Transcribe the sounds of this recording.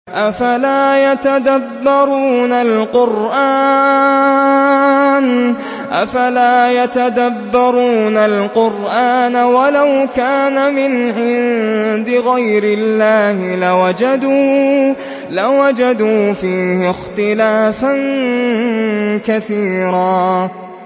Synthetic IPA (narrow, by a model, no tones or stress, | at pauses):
ʔafalaːjat̪ad̪abːɑɾuːnalqʊɾʔaː | n | ʔafalaːjat̪ad̪abːɑɾˤuːnalqʊɾʔaːnawalawkaːnamɪnʕɪnd̪ɪɣajɾɪlːaːhɪlawad͡ʒad̪uː | lawad͡ʒad̪uːfiːhɪxt̪ɪlaːfan | kaθiːɾaː